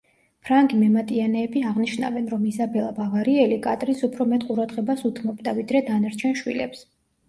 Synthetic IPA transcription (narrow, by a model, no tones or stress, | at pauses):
pʰɾaŋɡimɛmat̪ʼianɛːbiaʁniʃna̰vɛnɾɔmizabɛlˠabavaɾiɛlikʼat̪ʼɾinsupʰɾɔmɛt̪ʼqʼuɾad̪ʁɛbasut̪ʰmɔbd̪avid̪ɾɛd̪anaɾt͡ʃʰɛnʃwḭlɛ̰ps